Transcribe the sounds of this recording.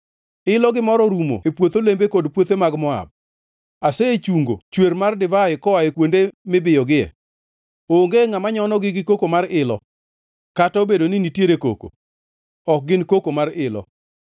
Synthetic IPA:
ɪlɔɡɪmɔɾɔɾumo̰epwot̪olembekodpwot̪emaɡmɔa̰b̚ | aseet͡ʃuŋɡo̰t͡ʃweɾmardɪvaɪkɔaekwondemɪbɪjɔɡɪɛ̰ | oŋɡeŋamaɲɔnɔɡɪɡɪkokomaɾɪlɔ | katɔobedoninitjeɾeko̰ko̰ | ɔk̚ɡɪnkokomarɪlɔ̰

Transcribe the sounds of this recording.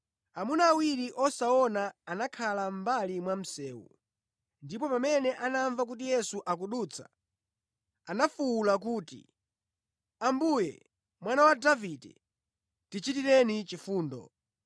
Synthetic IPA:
amunaːwiɾiʔɔsaɔnaːnakʰalam̩balimwam̩sɛːwṵ | ndipɔpamɛnɛʔanaɱvak̬ut̬ijɛsuʔak̬uɗuːt͡sʰḁ̰ | anafuulak̬uːtḭ | ambujɛ̰ | mwanawadavidɛ̰ | tit͡ʃitiɾɛnit͡ʃifuːndɔ̰

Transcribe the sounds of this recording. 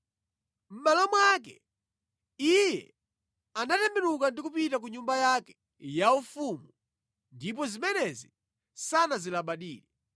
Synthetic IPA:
m̩malɔmwak̬ɛ̰ | ijɛ̰ | anatɛmɛɾukandik̬upitak̬uɲumbajakɛ̥ | jaufumu | ndip̬ɔzimɛnɛzi | sanazilaɓaɗiːlɛ

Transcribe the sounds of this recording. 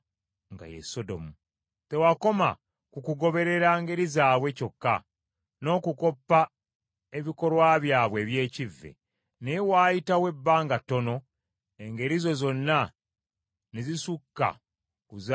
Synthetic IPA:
ŋɡa̰jḛso̞do̞̰mu | te̞wako̞ma̰ | kukuɡo̞βe̞ɾe̞ɾaːŋɡe̞ɾizaːβwe̞co̞kːa̰ | no̞ːkuko̞pːa | eβiko̞ɾwaːβjaːβwe̞ːβje̞ːcivːḛ | newaːjitawe̞bːaːŋɡatːo̞no̞ | eŋɡe̞ɾizo̞zo̞nːa | nezisukːa̰ | kuz

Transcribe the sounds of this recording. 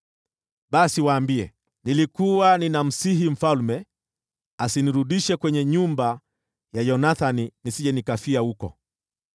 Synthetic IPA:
ɓasiwaːmbiɛ̰ | nilikuwaninam̩siɦim̩falmɛ | asiniɾuɗiʃɛkwɛɲɛɲumba | jajɔnaθaninisiʄɛnikafiahukɔ̰

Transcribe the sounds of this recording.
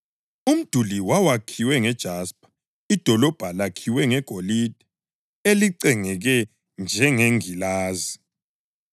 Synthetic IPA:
um̩d̥ʱuliwawakʰiwɛŋɛd̥ʒ̥ʱaspʼḁ | id̥ʱɔlɔb̥ʱalakʰiwɛŋɛɡ̥ʱolid̥ʱɛ | eliǀɛŋɛɣɛ | nd͡ʒʱɛŋeŋilaːzi

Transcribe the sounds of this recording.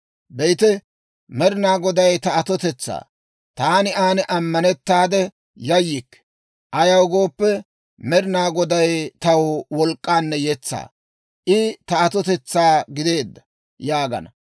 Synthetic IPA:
bɛjt̪ɛ | mɛɾɪnaːɡɔd̪ɐjt̪ɐɐt̪ɔt̪ɛt͡sːa̰ː | t̪aːnɪaːnɪʔɐmːɐnɛt̪ːaːd̪ɛ | jɐjːɪkː | ʔɐjɐwɡoːpːɛ | mɛɾɪnaːɡɔd̪ɐjt̪ɐwwɔlkʼːaːnːɛjɛt͡sːa̰ː | ʔɪt̪ɐɐt̪ɔt̪ɛt͡sːaːɡɪd̪e̞ːd̪ːɐ | jaːɡɐ̰nɐ

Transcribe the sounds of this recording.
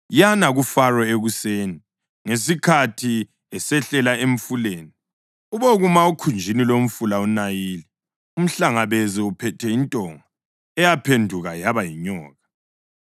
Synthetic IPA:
janaɣufarɔeɣuseːni | ŋesikʰatʰi | ɛsɛɬɛlaeɱ̩fuleːni | uβoɣumaukʰund͡ʒʱinilom̩fulaunajiːli | um̩ɬaŋaβeziupʰɛtʰɛintʼɔŋa | ɛjapʰendʱuɣajaβajiɲɔːɣa

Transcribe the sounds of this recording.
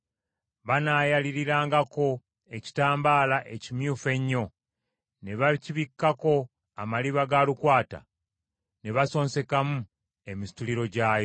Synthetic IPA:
βanaːjaliɾiɾaːŋɡako̞ | e̞ci̥taːmbaːlaʔe̞cimjuːfe̞ɲːo̞ | ne̞βaciβikːako̞ | amaliβaɡalukwaːta̰ | ne̞βaso̞ːnse̞kamu | e̞mistuliɾo̞ɟaːjo

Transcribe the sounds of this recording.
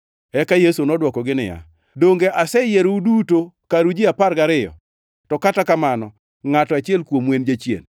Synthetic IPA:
ɛkajesonɔdwɔkɔɡɪnɪja̰ | doŋɡeʔasɛjeɾuduto | kaɾud͡ʒɪapaɾɡaɾɪjɔ̰ | tɔkatakamanɔ | ŋatɔat͡ʃɪɛlkwomwend͡ʒet͡ʃjḛn

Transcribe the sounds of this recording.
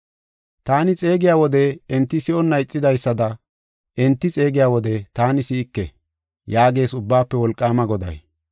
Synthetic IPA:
t̪aːnɪt͡sʼe̞ːɡɪjaːwɔd̪ɛɛnt̪ːɪsɪɔnːɐjɪt͡sʼːɪd̪ɐjsːɐd̪ɐ | ʔɛnt̪ːɪt͡sʼe̞ːɡɪjaːwɔd̪ɛt̪aːnɪsɪɪkːɛ̰ | jaːɡe̞ːsʊbːaːpːɛwɔlkʼːaːmɐɡɔd̪ɐ̰j

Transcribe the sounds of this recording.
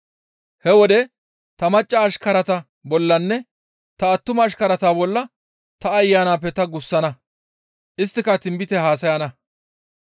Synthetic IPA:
hɛwɔd̪ɛ | t̪ɐmɐt͡ʃʼːɐːʃkɐɾɐt̪ɐ | bɔlːɐnːɛ | t̪ɐːt̪ːʊmɐːʃkɐɾɐt̪aːbɔlːɐ | t̪ɐːjːaːnaːpːɛt̪ɐɡʊsːɐnɐ | ʔɪst̪ːɪkɐt̪ɪmbɪt̪ɛɦaːsɐjɐnɐ

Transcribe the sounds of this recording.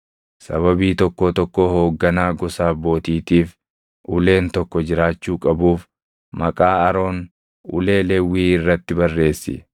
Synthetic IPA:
sɐβɐbiːt̪ɔkːɔt̪ɔkːoho̞ːɡːɐnaːɡɔsaːbo̞ːt̪iːt̪iːf | ʔʊle̞ːnt̪ɔkːɔd͡ʒɪɾaːt͡ʃːuːkʼɐbuːf | mɐkʼaːɐɾo̞ːn | ʊ̰le̞ːlɛwːiːɪrːɐt̪ːɪbɐrːe̞ːsːɪ̰

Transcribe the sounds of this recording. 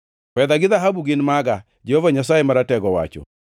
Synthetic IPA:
fɛðaɡɪðaɦabuɡɪnmaɡa | d͡ʒɛhɔvaɲas̬aemaɾatɛɡɔwa̰t͡ʃɔ̰

